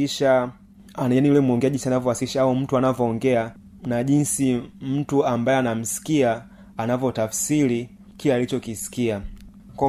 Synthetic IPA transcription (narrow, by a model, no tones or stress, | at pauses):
iʃa | ananiulɛmwɔŋɡɛaʄinsianavɔwasiʃaaum̩tuanavɔːŋɡɛa | naʄinsim̩tuambajɛanam̩si̥kia | anavjɔtafsili | kilaːlit͡ʃɔkisi̥kia | kɔ